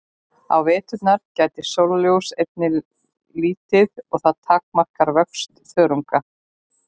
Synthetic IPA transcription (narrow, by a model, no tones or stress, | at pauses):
a̰wvɛːt̪ʏnaɾ̥caːjt̪ɪsowlljowsejp̪̚nɪ | liːt̪ɪðɔɣθaðt̪ʰaːk̚mar̥kaɾvœkst̪θœːɾuŋka